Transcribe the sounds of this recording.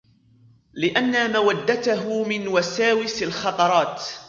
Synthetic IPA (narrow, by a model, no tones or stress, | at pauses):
lɪʔanːamawad̪ːat̪aɦʊmɪnwasaːwɪsalxɑt̪ˤɑɾˤɑːt̪